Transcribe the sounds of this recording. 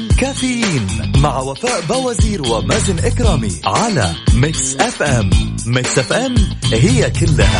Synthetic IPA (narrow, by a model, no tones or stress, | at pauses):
kaːfɪjiːnmaʕwafaːʔbawaziːɾwɪmad͡ʒɪnʔɪkɾaːmiʕala̰mɪksʔɛfʔɛmːɪksʔɪfʔɛmhɪjːakɪlːaha